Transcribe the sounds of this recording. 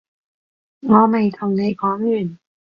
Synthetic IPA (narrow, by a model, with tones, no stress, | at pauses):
ŋɔː˨˧ma˨˩jt̪ʰɔ˨˩ŋna˧jkʰɔː˨˦ŋjyː˨˩n